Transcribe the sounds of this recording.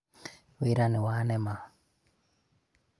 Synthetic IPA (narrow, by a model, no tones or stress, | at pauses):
weɾanɪwanɛma